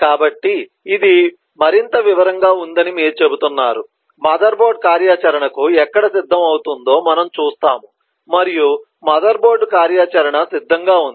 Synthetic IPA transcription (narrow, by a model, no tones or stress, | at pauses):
kaːbɐʈːiː | d̪i | mɐɾint̪ɐʋiʋɐɾɐŋɡaːund̪ɐnimiːɾut͡ʃe̞but̪unːa̰ːɾu | mɐːd̪ɐɾboːɾɖkaːɾjaːt͡ʃɐɾɐɳɐkuɛkːɐɽɐsid̪ʱːɐmɐwut̪und̪o̞ːmɐnɐmt͡ʃuːst̪aːmu | mɐɾiju | mɐːd̪ɐɾboːɾɖkaːɾjaːt͡ʃɐɾɐɳɐsid̪ʱːɐŋɡaːund̪i